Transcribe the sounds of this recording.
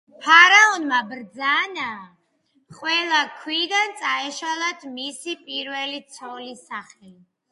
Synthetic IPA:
pʰaɾaɔnmabɾd̪zana | χʼwɛlˠakʰwid̪ant̪sʼaɛʃalˠat̪ʰmisipʼiɾvɛlit̪sʰɔlisaχɛli

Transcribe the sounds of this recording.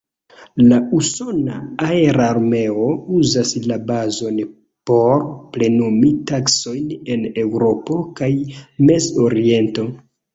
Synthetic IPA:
lauso̞na̰aeɾaːɾme̞o̞uzaslabazo̞n | po̞ɾple̞numitakso̞jne̞ne̞wɾo̞po̞kajme̞zoɾie̞nto̞

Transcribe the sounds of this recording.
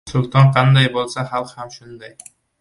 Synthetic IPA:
sʊlˠt̪oɴqʰɑnd̪ɑjbolˠsɑχɑlˠqhamʃund̪ɑj

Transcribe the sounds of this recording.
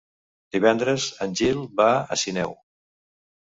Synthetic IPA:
d̪̥iβɛnd̪ɾəzənʲʒilˠbaə̰sinɛw

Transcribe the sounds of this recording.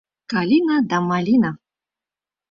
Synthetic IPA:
kalʲinad̪amalʲina

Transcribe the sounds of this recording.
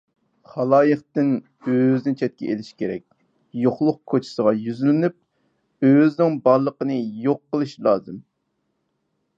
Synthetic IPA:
χɑlˠɑːjəχt̪ɪn | øznɪt͡ʃʰɛt̪̚kʲʰɛ̰ʔelɪʃi̥kʲʰeɾɛkʲ | joχlˠʊq̚kʰot͡ʃʰɪ̥səʁɑjyzylɪnyp̚ | øznɪŋbɑɾlˠəqənɨjoqːəlˠɨʃlˠɑːzɨm

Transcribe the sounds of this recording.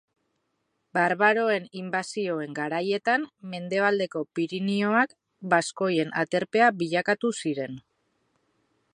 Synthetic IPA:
baɾβaɾo̞e̞nimbasio̞e̞ŋɡaɾaje̞t̪amme̞nd̪e̞βald̪e̞ko̞piɾinio̞ak | basko̞je̞nʔat̪e̞ɾpe̞abiʎakat̪usiɾe̞n

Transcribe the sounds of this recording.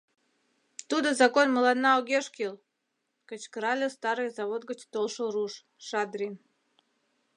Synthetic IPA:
t̪ud̪əzakonʲməlˠad̪naɔɡʲeʂkʲilˠ | kət͡ɕkɾalʲɪst̪aɾɨjzavod̪̚ɡə̆t͡ɕt̪olˠʂɨlˠruʂ | ʂad̪ɾʲin

